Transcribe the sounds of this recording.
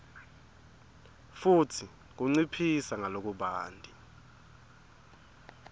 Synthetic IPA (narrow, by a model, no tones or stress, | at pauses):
futʰi | k̬uŋ͡ǀipʰisaŋalok̬uɓaːndʱʼi